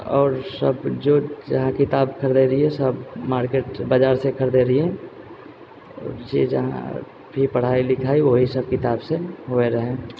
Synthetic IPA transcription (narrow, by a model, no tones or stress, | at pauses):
ɔːɾsə̰bd͡ʒoːd͡ʒɐɦãkɪt̪aːbkʰəɾd̪eɾɦiɦɛ̃səbmaːɾkeːʈbəd͡ʒaːɾsekʰəɾd̪eɾəɦiɦɛ̃ | ɔ̰ɾd͡ʒḛd͡ʒɐ̰ɦã̰ | bʱipɐɽ̤aːilɪkʰaːiʋoɦisɐb̚kɪt̪aːbseɦoeɾɐɦẽ